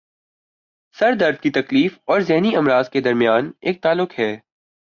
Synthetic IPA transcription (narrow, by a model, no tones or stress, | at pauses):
sɐɾd̪ɐɾd̪̚kit̪ɐkliːfɔːɾzɛɦniɐmɾaːzked̪ɐɾmijaːneːk̚t̪aːlːʊkɦɛː